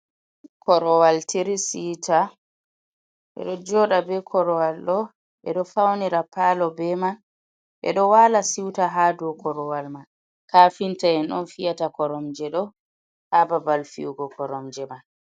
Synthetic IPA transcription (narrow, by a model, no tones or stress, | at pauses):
kʰɔɾɔwaltʰiɾisiːta | ʔɛ̰ɗɔd͡ʒɔːɗabɛkʰɔɾɔwalɗɔ | ʔɛ̰ɗɔfawniɾapaːlɔbɛman | ʔɛ̰ɗɔwaːlasiwtaɦaːdɔkɔɾɔwalman | kaːfintaɛnɔnfijatakɔɾɔmd͡ʒɛɗɔ | hababalfḭwɡɔkɔɾɔmd͡ʒɛman